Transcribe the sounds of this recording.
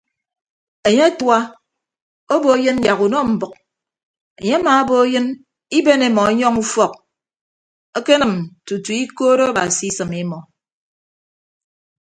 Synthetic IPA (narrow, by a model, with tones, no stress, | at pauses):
e˨ɲe˦a˦twa˦ | o˦bo˨˦jɨ˦n˦ja˨ɣu˨nɔ˦m̩˨bʊ˨k̚ | e˨ɲe˦a˦maː˨o˦bo˦jɨ˦n | i˦be˦ne˨mɔ˨˦ɲɔ˦ŋu˦fɔ˦˨k̚ | e˦ke˦nɨ˨mtu˨tu˨i˦ko˦ɾo˦a˦ba̰˨si˨˦i˦sɨ˨me˨mɔ˨